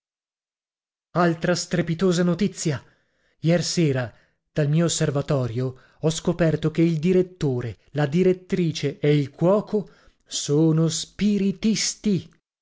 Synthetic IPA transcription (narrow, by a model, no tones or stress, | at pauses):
alt̪ɾast̪ɾepit̪oːzanot̪it̪sːja | jɛrsɛːɾa | d̪̥almiːoːsːervat̪ɔːɾjo | ɔskopɛrt̪okeild̪iɾet̪ːoːɾe | lad̪iɾet̪ːɾiːt͡ʃeeilkwɔːko | soːnospiɾit̪ist̪i